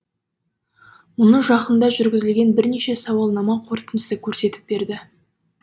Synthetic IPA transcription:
mʊnəʒɑqənd̪ɑʒʏɾɡʲɪzɪlɡʲe̞nbɪɾne̞ʃe̞sɑwɑlˠnɑmɑqʰo̞ɾt̪ənəsəkʲʰɵɾse̞t̪ɪ̥p̚be̞ɾd̪ɪ

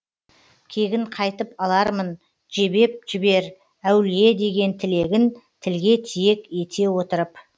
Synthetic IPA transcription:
kʲʰe̞ɡʲɪɴqʰɑjt̪əpɑlˠɑɾmən | ʒe̞be̞p̚ʒɪbe̞ɾ | æwlije̞d̪e̞ɡʲe̞nt̪ʰɪle̞ɡʲɪnt̪ʰɪlɡʲe̞t̪ʰije̞kʲe̞t̪ʰe̞wo̞t̪əɾəp

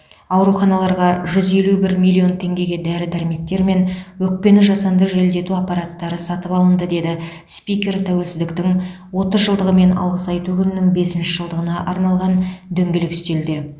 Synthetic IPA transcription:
ɑwɾuχɑnɑlˠɑɾʁɑʒʏze̞lubɪɾmʲijlʲːio̞nt̪ʰe̞ŋɡʲe̞ɡʲe̞d̪æɾɪd̪æɾɪme̞t̪ːe̞ɾme̞nwɵk̚pe̞nɪʒɑsɑnd̪əʒeld̪e̞t̪uɑpːɑɾɑt̪ːɑɾəsɑt̪əpɑlˠənd̪əd̪e̞d̪ɪ | spijkʲe̞rt̪ʰæwe̞lsɪzd̪ɪkt̪ɪŋ | wo̞t̪əzʒəlˠd̪əʁəme̞nɑ̰lˠʁəsɑjt̪ukʲʏnɪnɪŋbe̞sɪnʃɪʒəlˠd̪əʁənɑʔɑɾnɑlˠʁɑnd̪ɵŋɡʲelɪkɪ̥st̪e̞ld̪e̞

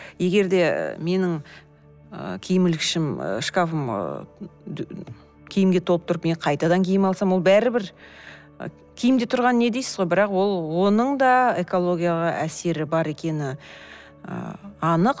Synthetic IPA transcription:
je̞ɡʲe̞ɾd̪e̞̰me̞nɪŋ | ə̰kʲʰejɪmɪlkʲɪʃɪm̰ʃkafəm̰ | kʲʰejɪmɡʲe̞t̪ʰoəpt̪ʰʊɾəpmeqʰɑjt̪ɑd̪ɑŋkʲʰejɪmɑlˠsɑmwolˠbæɾɪbɪɾ̰ | kʲʰejɪmd̪e̞t̪ʰʊɾʁɑnəne̞d̪ejsɪzʁojbɪɾɑqwo̞lˠwo̞nəɴd̪ɑeko̞lˠo̞ɡʲijalˠəʔæse̞ɾɪbɑɾe̞kʲe̞nɪ | ə̰ɑnəq

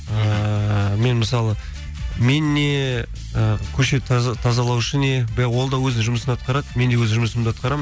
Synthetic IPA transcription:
ə | me̞nməsɑlˠə | menːe̞ | əkʲʰɵʃe̞t̪ʰt̪ʰɑzɑlˠɑwɪʃəne̞bɪɾæʁwo̞lˠd̪ɑwɵzd̪ɪŋʒʊməsənɑt̪̚qɑɾɑd̪əme̞nd̪e̞wɵzɪʒʊməsəmd̪eɑt̪̚qɑɾɑm

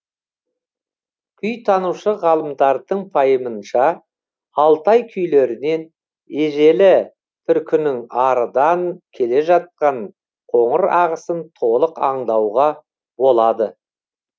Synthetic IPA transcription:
kʲʰʏjt̪ʰɑnuʃəʁɑlˠəmd̪ɑɾd̪əɴpʰɑjəmənʃɑ | ɑlˠt̪ɑjkʲʰʏjle̞ɾɪne̞n | eʒe̞lɪ | t̪ʰʏɾkʲɪnɪŋɑɾəd̪ɑŋkʲʰe̞le̞ʒɑt̪̚qɑɴ | qʰo̞ɴəɾɑʁəsənt̪ʰo̞lˠəqɑɴd̪ɑwʁɑ | bo̞lˠɑd̪ə

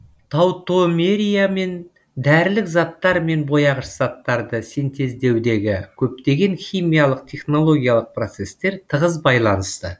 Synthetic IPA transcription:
t̪ʰɑwt̪omeɾijame̞n | d̪æɾlɪkzɑt̪ːɑɾme̞nbo̞jɑʁəʃz̥ɑt̪ːɑɾd̪əse̞nt̪ʰe̞zd̪e̞wd̪e̞ɡʲɪkʲʰɵp̚t̪e̞ɡʲe̞ŋχʲijmijalˠəq̚t̪ʰe̞χno̞lˠo̞ɡʲijalˠəq̚pro̞t̪se̞st̪e̞ɾt̪ʰəʁəzbɑjlˠɑnəst̪ə

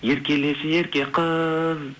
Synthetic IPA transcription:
jeɾkʲe̞lesɪjeɾkʲeqʰəz

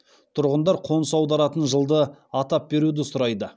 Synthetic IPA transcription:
t̪ʰʊɾʁənd̪ɑɾqʰo̞nsɑwd̪ɑɾɑt̪ənʒəlˠd̪əɑt̪ɑp̚be̞ɾud̪ɪsʊɾɑjd̪ə

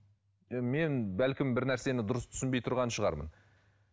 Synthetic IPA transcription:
me̞nbælkʲɪmbɪɾnæɾse̞nɪd̪ʊɾəst̪ʰʏ̥ɪnbe̞jt̪ʰʊɾʁɑnʃəʁɑ̰ɾmə̰n

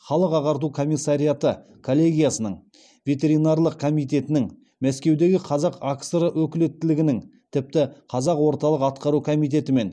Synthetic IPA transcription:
χɑlˠəqɑʁɑɾt̪ukʰo̞mijsːaɾijat̪ə | kʰo̞lʲˠːe̞ɡʲijasənəɴ | vʲe̞t̪ʲe̞ɾijnɑɾlˠəq̚kʰo̞mijt̪̬e̞t̪ɪnɪŋ | mæskʲe̞wd̪e̞ɡʲɪqʰɑzɑqaksɾəwɵkʲɪlet̪ːɪlɪɡʲɪnɪŋt̪ʰɪp̚t̪ɪqʰɑzɑqwo̞ɾt̪ɑlˠəqɑt̪qɑɾukʰo̞mijt̪̬e̞t̪ɪme̞n

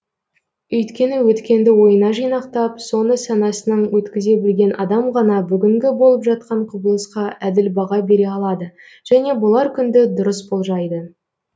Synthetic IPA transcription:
ɵjt̪kʲe̞nɪwɵt̪kʲe̞nd̪ɪwo̞jənɑʒijnɑqt̪ɑpso̞nəsɑnɑsənəɴwɵt̪kʲɪze̞bɪlɡʲe̞nʔɑd̪ɑmʁɑnɑbʏɡʲɪŋɡʲɪbo̞lˠəpʒɑt̪̚qɑɴqʰʊbəlˠəsqɑʔæd̪ɪlbɑʁɑbe̞ɾe̞ɑlˠɑd̪ə | ʒ̥æne̞bʊlˠɑɾkʲʰʏnd̪ɪd̪ʊɾəsbo̞lˠʒɑjd̪ə

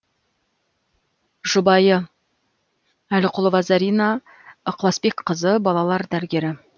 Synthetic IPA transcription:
ʒʊbɑjə | ælɪqʊlˠvɑzɑɾijnɑ | əqlˠɑspekqʰəzəbɑlˠɑlˠɑɾd̪æɾɪɡʲe̞ɾɪ

